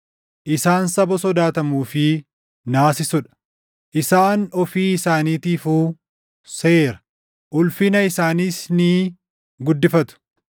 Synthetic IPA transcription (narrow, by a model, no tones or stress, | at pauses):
ʔɪsaːnsɐbɔsɔd̪aːt̪ɐmuːfɪ | naːsɪsʊᶑɐ̥ | ʔɪsaːnɔfiːɪsaːniːt̪iːfuː | seeːɾɐ̥ | ʔʊlfɪnɐɪsaːniːsnɪ | ɡʊd̪ːɪfɐt̪ʊ̥